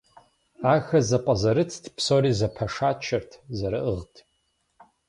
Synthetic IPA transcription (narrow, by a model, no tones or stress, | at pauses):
axazapʼazaɾɨt͡sʰdʰpʰsoɾizapʰaʂat͡ʃʰartʰzaɾaʔɨʁtʰʼ